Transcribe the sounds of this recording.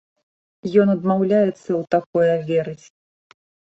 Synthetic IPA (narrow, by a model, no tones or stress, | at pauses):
jɔnɐd̪mawlʲajɛt̪sːɐwt̪akɔjɐvʲɛɾɨt͡sʲ